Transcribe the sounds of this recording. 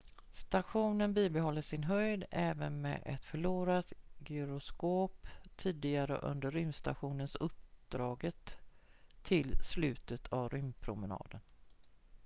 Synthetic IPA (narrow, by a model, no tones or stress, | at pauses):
st̪aɧuːnənbiːbɛɦɔlːəʂɪnɦœjd̪ɛːvənmɛ̰ːʔɛ̰t̪fœɭuːɾat̪ɡʏɾʊskoːpt̪ʰiːd̪ɪɡaɾə̰ʔɵ̰nd̪əɾːʏmst̪a̰ɧuːnənsɵp̚d̪̥ɾɑːɡət̪ʰː | ɪlslʉ̟ːt̪ət̪ʰavɾʏmpʰɾʊmənɑ̰ːd̪ən